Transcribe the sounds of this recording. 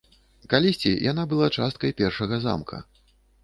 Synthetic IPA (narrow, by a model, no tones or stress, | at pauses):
kalʲisʲt͡sʲijʔanabɨlˠat͡ʂast̪̚kɐjpʲɛrʂɐɣɐza̰mkʰɐ̰